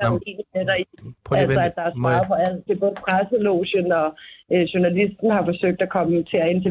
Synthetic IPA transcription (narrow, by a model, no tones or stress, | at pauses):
d̥ɑe̝̰ːnimed̥ɐiælɒæd̥ɑ̈æɐsɑ̈ːpʰɒ̽æl̰d̥e̝b̥ɔ̽ːð̩ˠəpʰʁasəloːɕənɒ̽ɕunælisd̥n̩hɑ̈fɒ̽søɡ̥̚d̥ækʰɒ̽mət͡sʰe̝æe̝nt͡sʰe